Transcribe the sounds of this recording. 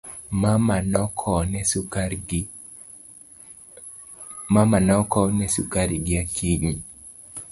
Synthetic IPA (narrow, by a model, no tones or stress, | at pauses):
mamanɔkʰɔnɛs | mamanɔkɔnɛsukaɾiɡɪakʰiŋi